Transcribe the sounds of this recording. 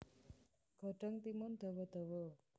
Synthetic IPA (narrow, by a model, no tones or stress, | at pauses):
ɡʱəʈəŋt̪imont̪əʋət̪əʋə